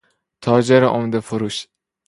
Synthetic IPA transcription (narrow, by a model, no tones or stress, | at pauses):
t̪ʰɒːd͡ʒeɾʔomd̪efoɾuːʃ